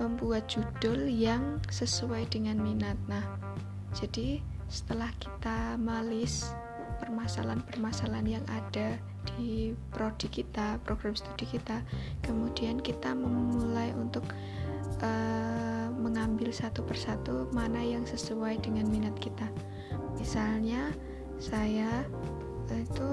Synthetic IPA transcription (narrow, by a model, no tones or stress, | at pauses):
məmbuat̪̚d͡ʒ̥ud̥ʊljaŋsəsuajdəŋanminat̪̚nah | d͡ʒadi | sə̥t̪əlahki̥t̪amalɪs | pərmasa̰lanpərmasalanjaŋʔa̰d̥a | d̥ipɾod̥ikit̪apɾoɡɾamst̪ud̥ikit̪akəmudiankit̪aməmulajṵnt̪ʊk | ʔə | məŋambɪlsat̪upərsat̪umanajaŋsəsuajdəŋanminat̪̚kit̪a | misalɲa | saja | əit̪u